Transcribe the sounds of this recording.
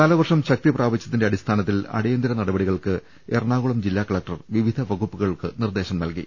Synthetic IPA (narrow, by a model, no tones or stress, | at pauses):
nɐlɐʋɐrʂɐmɕɐk̚t̪ipraːʋɐt͡ɕːjɐt̪ːindeɐɽist̪ʰaːnɐt̪̬ːilɐ̰ɽejɐnd̪iɾɐnɐɽɐbɐɽiɣɐɭkɨ | erɳaːɣuɭɐmd͡ʑilːaːkɐɭɐk̚ʈɐrʋiʋid̪ʱɐʋɐɣupːuɣɐɭkɨnird̪e̞ːɕɐmnɐlkḭ